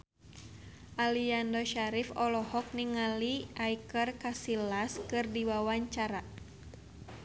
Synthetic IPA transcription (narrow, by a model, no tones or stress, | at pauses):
ʔaliandɔʃaɾifɔlɔhɔk̚niŋaliʔaikərkasilaskɨrdiwawaɲt͡ʃaɾa